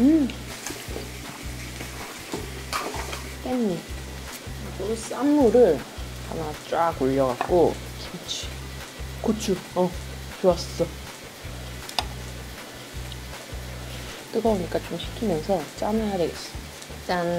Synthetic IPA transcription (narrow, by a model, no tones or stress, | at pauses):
ɯm | t͈emɲi | os͈amːuɾɯɭ | a̰nat͡ɕ͈waɡoʎːʌɣak͈o | kʰit͡ɕʰi̥ | kot͡ɕʰuʌ | t͡ɕoass͈ʌ | k͈ɯɡʌboɲik͈at͡ɕomɕʰi̥kʰimjʌnsʰʌt͡ɕ͈aneɦaɾeɡes͈ʌ̥ | t͡ɕ͈an